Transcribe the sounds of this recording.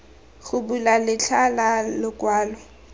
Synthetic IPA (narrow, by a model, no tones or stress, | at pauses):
ɣʊbulalɪt͡ɬʰalalɪkwaːlwɛ